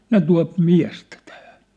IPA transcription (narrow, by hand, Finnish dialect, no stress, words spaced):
ne tuɑ̝p miæ̝stæ tæhæ̥